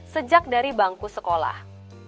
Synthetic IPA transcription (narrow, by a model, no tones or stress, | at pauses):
səd͡ʒak̚daɾibaŋkusəkola̰h